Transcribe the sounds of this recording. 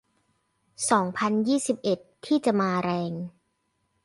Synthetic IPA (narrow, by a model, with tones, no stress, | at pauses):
sɔː˩˦ŋpʰa˧njiː˥˩si˨˩p̚ʔe˨˩t̪ʰːiː˥˩t͡ɕa˨˩maː˧ɾɛː˧ŋ